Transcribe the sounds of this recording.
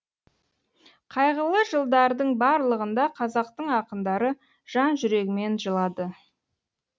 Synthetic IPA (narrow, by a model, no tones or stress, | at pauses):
qʰɑjʁəlˠəʒəlˠd̪ɑɾd̪əɴbɑɾlˠəʁənd̪ɑqʰɑzɑq̚t̪əɴɑqənd̪ɑɾə | ʒ̥ɑnʒʏɾe̞ɡʲɪme̞nʒəlˠɑd̪ə